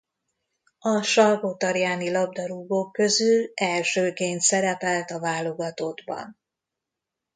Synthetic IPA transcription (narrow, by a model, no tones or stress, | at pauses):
ɒʃɒrɡot̪ɒɾjaːnilɒb̚d̪ɒɾuːɡokːø̞zylɛlʃøːkeːnt̪sɛɾɛpɛlt̪ɒvaːlo̞ɡɒt̪od̪bɒ̰n